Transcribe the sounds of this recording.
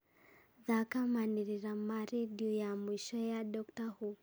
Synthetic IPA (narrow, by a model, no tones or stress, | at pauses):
ðakamaniɾiɾamaɾidiɔjamwiʃɔjaɗɔktahu